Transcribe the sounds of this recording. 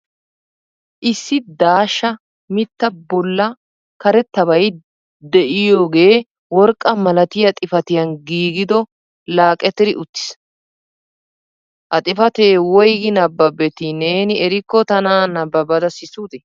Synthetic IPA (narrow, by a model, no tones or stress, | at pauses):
ʔɪsːɪd̪aːʃːɐ | mɪt̪ːɐbɔlːɐ | kɐɾɛt̪ːɐβɐj | d̪ɛʔɪjoːɡe̞ː | wɔɾkʼːɐmɐlɐt̪ɪjɐt̪ʼɪfɐt̪ɪjɐnɡiːɡɪd̪ɔ | laːkʼːɛt̪ːɪɾɪʔʊt̪ːɪ̥s | ʔɐt̪ʼɪfɐt̪eːwɔjɡɪnɐbːɐbɛt̪ɪneːnɪɛɾɪkːɔt̪ɐnaːnɐbːɐbɐd̪ɐsɪsuːt̪ɛ